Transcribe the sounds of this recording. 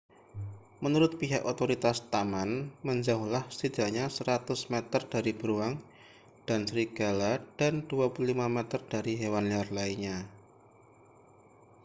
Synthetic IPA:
mənuɾʊt̪̚piɦakot̪oɾit̪ast̪amanməɲd͡ʒauhlahsida̤ɲasəɾat̪ʊsmet̪ərd̥aɾib̥əɾuaŋ | d̥ansɾiɡ̥alad̥and̥uapululimamɛt̪ərd̥aɾiɦewanliarlaiɲa

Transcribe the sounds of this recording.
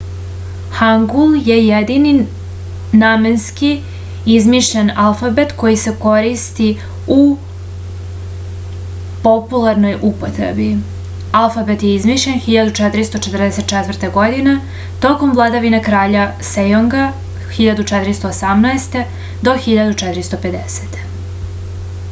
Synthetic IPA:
xaŋɡulˠje̞jed̪ini | namenski | izmiːʃʎenalˠfabet̪ko̞jise̞ko̞ɾist̪i | u | po̞pulˠaɾno̞jʔupot̪ɾḛbi | alˠfabet̪jeizmiːʃʎenxiʎad̪ut͡ʃɛt̪ɾist̪o̞t͡ʃet̪rd̪eset̪̚t͡ʃɛt̪ʋrt̪eɡo̞d̪ine | t̪o̞ko̞mvlˠad̪aʋinakɾaːʎasejoŋɡa | xiʎad̪ut͡ʃɛt̪iɾist̪o̞ːsamnaest̪e̞ | d̪o̞xiʎad̪ut͡ʃɛt̪iɾist̪o̞pe̞d̪ese̥t̪

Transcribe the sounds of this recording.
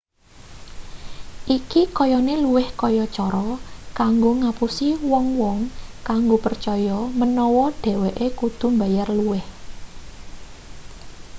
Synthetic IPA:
ʔikikɔjɔneluwɪhkɔjɔt͡ʃɔɾɔkaŋɡoŋapusiwɔŋwɔŋkaŋɡopərt͡ʃɔjɔmənɔwɔɖ̥ɛ̤wɛʔekud̪̥ṳmbajarluwɪh

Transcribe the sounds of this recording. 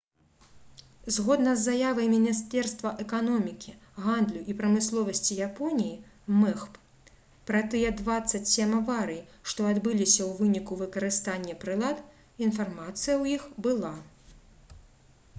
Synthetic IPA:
zɣɔd̪nɐzːajavɐjmʲinʲist̪ɛrst̪vɐʔɛkanɔmʲikʲiɣand̪lʲuʔipɾɐmɨslˠɔvɐsʲt͡sʲijapɔnʲiji | mɛxp | pɾɐt̪ɨjɛd̪vat̪sːɐt͡sʲsʲemavaɾɨjiʂt̪ɔad̪bɨlʲisʲɐwvɨnʲikuvɨkɐɾɨst̪anʲːɛpɾɨlˠat̪ | infarmat̪sɨjɐwjixbɨlˠa

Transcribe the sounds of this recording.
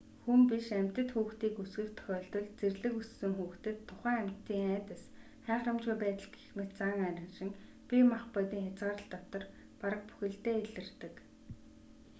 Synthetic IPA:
xumpiʃæm̥ʲt̪ə̆t̪xuːxt̪iːkusɡɘ̆kt̪ʰxʲɔːɮt̪ɞ̆ɮt͡serɮɘ̆kussːɘ̆ŋxuːxt̪ɘ̆t̪ʰːʊχæːæm̥t̪ːiːŋæːt̪ə̆s | χæːχrə̆mt͡ɕujpæːt̪ə̆ɮɡe̥xmĕt̪̚t͡saŋæɾɪ̆nʃɪ̆ŋ | pʲimaχpœt̪iːŋxʲat͡sʁaːɾə̆ɬt̪ːɔt̪ɞ̆r | paɾə̆k̚pu̥xʲɘ̆ɬt̪eːeɮɘ̆rt̪ɘ̆k

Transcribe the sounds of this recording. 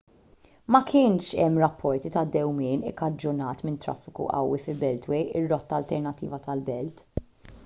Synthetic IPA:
mɐkʰɪːnʃɛmːɾɐpʰːɔɾt̪it̪ɐd̪ːɛwmɪːnɪkːɐd͡ʒːʊnɐːt̪mɪnt̪ɾɐ̰fːɪkṵʔɐ̰wːifɪlbɛlt̪wɛjʔɪrːɔt̪ːɐːlt̪ɛɾnɐt̪ːḭːvɐt̪ɐlbɛlt̪

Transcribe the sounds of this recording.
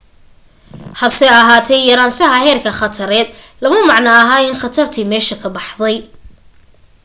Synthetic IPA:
hɐsɛjɐɦaːt̪ʰɛjjɐɾaːnsɐɦɐɦɛːrkʰɐχɐt̪ʰɐɾɛːd̪ | lɐmɐmɑʕnɐːɦaːɪnχɑt̪ʰɐrt̪ʰiːmɛːʃɐkʰɐbɑħðɛj

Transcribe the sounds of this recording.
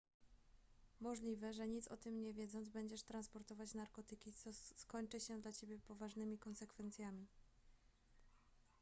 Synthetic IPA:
mɔʐlʲivɛʐɛɲit̪sɔt̪ɘmɲɛvʲjɛd̪zɔnzbɛɲd͡ʑɛʂt̪ɾanspɔɾt̪ɔvat͡ɕnaɾkɔt̪ɘkʲit̪sɔskɔɲt͡ʂɘɕɛd̪lat͡ɕebʲjɛpɔvaʐnɘmʲikɔnsɛkfɛnt̪sʲjamʲi

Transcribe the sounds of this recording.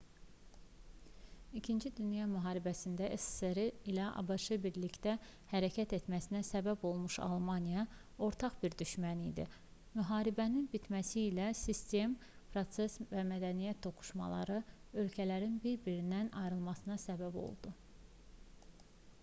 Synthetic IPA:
icʰind͡ʒid̪ynjɑmyɦɑːɾibæsind̪æʔesseɾiilæʔɑ̰bɑʃɯbiɾlict̪æ | hæɾæcʰæt̪e̞t̪mæsinæsæbæbo̞lˠmuʃɑ̰lˠmɑnijɑ | o̞ɾt̪ʰɑχbiɾd̪yʃmænḭd̪ḭ | myɦɑːɾibæninbit̪mæsiːlæsist̪e̞m | pʰɾo̞t̪se̞svæmæd̪ænijæt̪̚ʰːo̞ku̥ʃmɑ̰lˠɑ̰ɾɯø̞lcʰælæɾinbiɾbiɾinːænɑ̰jɾɯlˠmɑsɯnɑsæbæbo̞̰lˠd̪̥u

